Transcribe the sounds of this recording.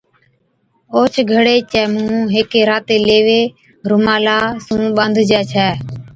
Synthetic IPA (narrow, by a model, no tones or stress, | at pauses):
oːt͡ʃʰɡʱəɽeːt͡ʃɛːmũːɦeːkeːɾaːt̪eːleːʋeː | ɾʊmaːlaːsũːɓənd̪ʱd͡ʒɛːt͡ʃʰɛː